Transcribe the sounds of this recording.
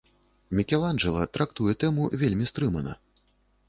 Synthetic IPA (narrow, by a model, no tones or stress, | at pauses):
mʲikʲɛlˠanʐɛlˠɐ̰t̪ɾakt̪ujɛt̪ɛmuvʲelʲmʲist̪ɾɨmɐnɐ̰